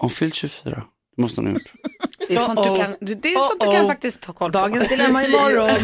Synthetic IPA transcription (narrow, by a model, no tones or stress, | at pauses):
hanfʏlt̪ɕɵfyːɾa̰ | d̪̥ɛmɔst̪əha̰najʊ̰ʈːd̪ɛsɔnd̪ɵkʰand̪d̪ɛːɾɔntd̪kʰanfak̚t̪ɪst̪hʰɑːkʰɔld̪ɑːɡənsbɪlaɾmanɪmɔɾɔn